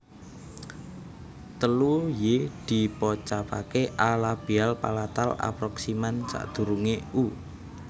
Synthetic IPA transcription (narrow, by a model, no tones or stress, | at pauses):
t̪əlujed̪̥i̤pɔt͡ʃapakeʔalab̥ialpa̰lat̪a̰la̰pɾɔksimant͡ʃa̰ʔd̪̥ṳɾuŋeu